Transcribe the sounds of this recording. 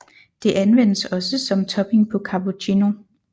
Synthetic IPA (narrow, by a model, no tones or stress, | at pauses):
d̥e̝ʔænʋen̰əsɒ̽səsɒ̽mt͡sʰɒ̽b̥e̝ŋpʰɒ̽kʰɑbot͡ɕʰino̝